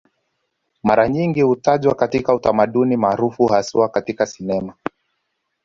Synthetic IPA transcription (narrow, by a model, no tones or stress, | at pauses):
maɾaɲiŋɡihutaʄwakatikautamaɗunimaːɾufuhasuakatikasinɛma